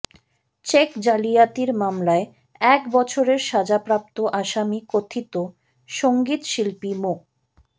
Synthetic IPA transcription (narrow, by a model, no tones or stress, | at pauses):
t͡ɕekd͡ʑalijat̪iɾmamlae | ɛkbɔt͡ɕʰoɾeɾʃad͡ʑapɾap̚t̪oʔaʃamikot̪ʰit̪o | ʃoŋɡit̪ʃilpimo